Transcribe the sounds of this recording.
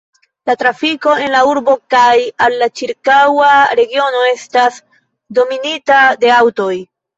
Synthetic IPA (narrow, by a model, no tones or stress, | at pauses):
latɾafiko̞e̞nlauɾbo̞kajalːat͡ʃiɾkawaɾe̞ɡio̞no̞e̞stas | do̞minitade̞awto̞j